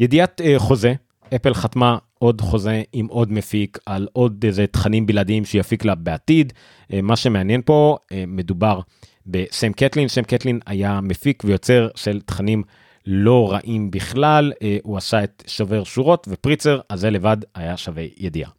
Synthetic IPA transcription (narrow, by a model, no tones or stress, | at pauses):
je̞diat̪χo̞ze̞ | epelχat̪ma | o̞dχo̞zeimʔo̞d̪mefikalo̞d̪ezet̪χanimbiladiimʃjafiklabeatid | maʃe̞meanjenpo̞eme̞dubaʁ | be̞ʃemketlinʃemketlinajamefikvejo̞t͡se̞ʁʃe̞lt̪χanim | lo̞ʁaʔimbiχlaluasae̞t̪ʃove̞ʁʃuʁo̞tvepʁit͡se̞ʁaze̞le̞vadajaʃavḛjed̪ia̰